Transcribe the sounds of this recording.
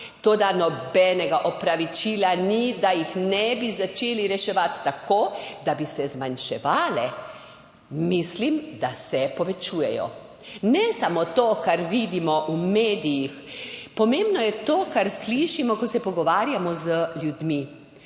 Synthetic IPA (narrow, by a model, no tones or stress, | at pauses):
t̪oːd̪anɔbɛːnɛɡaʔɔpɾaʋit͡ʃiːlanid̪ajixnɛbizat͡ʃeːliɾɛʃɛʋat̪ːakoːd̪abisɛzmanʃɛʋaːlɛ | mislimd̪asɛpɔʋɛt͡ʃuːjɛjɔ̰ | nɛsamot̪okaɾʋid̪imɔʔumeːd̪ijixpɔmeːmbnɔjɛt̪oːkaɾsliʃimɔkɔsɛpɔɡɔʋaːɾjamɔzəlʲjud̪mi